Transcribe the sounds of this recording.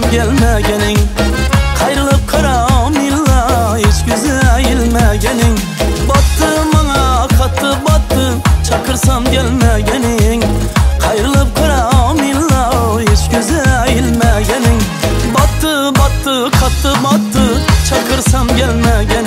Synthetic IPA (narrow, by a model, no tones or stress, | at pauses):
mkʲʰalmaɡʲanɪŋ | qʰɑjɾɨlˠɨp̚qʰɨɾɑmilːɑeskʲyzɪæjɪlmæɡʲanɪŋ | bɑt̪ːɨmɑŋɑqʰɑt̪ʰːɨbɑt̪ʰːɨt͡ʃʰɑqʰɨɾsɑmkʲʰelmaɡʲanɪŋqʰɑjɾɨlˠɨp̚qʰɨɾɑmilːɑeskʲyzɪæjɪlmaɡʲanɪŋ | bɑt̪ːɨ | bɑt̪ːɨ | qʰɑt̪ʰːɨbɑt̪ʰːɨt͡ʃʰɑqʰɨɾsɑmkʲælmaɡʲan